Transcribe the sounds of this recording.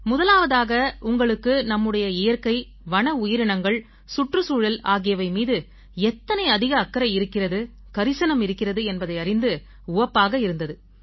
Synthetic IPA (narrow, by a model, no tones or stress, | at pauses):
mʊðɐlaːʋɐðaːɣɐʊŋɡɐɭɯkːɯnɐmːɯɽɐjɐɪjɐɾkɐɪ | ʋɐɳɐʊjɪɾɪɳɐŋɡɐɭ | sʊʈrɯsuːɻɐlaːɣɪjɐʋɐɪmiːðɯ | ɛt̪ːɐnɐɪɐðɪɣɐːkːɐɾɐɪɾɯkːɪrɐðɯ | kɐɾɪsɐnɐmɪɾɯkːɪrɐðɯɛnbɐðɐɪɐrɪnd̪ɯ | ʊʋɐpːaːɣɐɪɾɯnd̪ɐðɯ